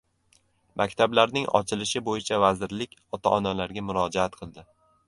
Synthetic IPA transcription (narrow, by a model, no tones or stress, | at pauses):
mʔakʲt̪ʰablaɾnɪŋɒ̰t͡ʃʰɪlɪʃɪbojɪt͡ʃʰavazɪɾlɪkʲɒt̪ʰa̰ʔɒnalaɾɡʲamʊɾɒd͡ʒaat̪̚qʰɨlˠd̪ɪ